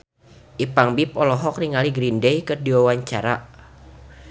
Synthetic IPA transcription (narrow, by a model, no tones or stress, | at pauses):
ʔipaŋbipɔlɔɦɔk̚niŋaliɡɾindɛjkərdiwawaɲt͡ʃaɾa